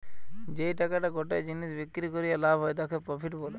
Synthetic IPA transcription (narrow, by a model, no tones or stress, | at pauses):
d͡ʑejʈakaʈaɡɔʈejd͡ʑinːisbikːɾikoɾijalabʱɦɔed̪akʰapɾɔpʰiʈbole